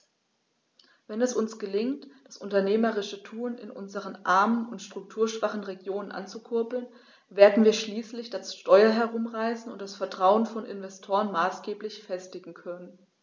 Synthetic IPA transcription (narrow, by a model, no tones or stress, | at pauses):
vɛnɛsʊnsɡ̥əlɪŋtd̥asʔʊntɐneːməʁɪʃətʰuːnɪ̰nʔʊ̰nzəʁənʔaɐmənʊntʃtʁ̥ʊk̚tʰuːɐʃv̥aχn̩ʁeɡjoːnənʔa̰nt͡sukʰʊɐpl̩n | veːɐdn̩viːɐʃliːslɪçd̥asʃtɔʏɐɦɛɐʁ̞ʊmʁaɪsn̩ʊ̰ntd̥asfɛɐtʁ̥aʊənfɔnʔɪ̰nvɛstʰoːʁənmaːsɡ̥eːplɪçfɛstɪɡŋ̩kʰœnən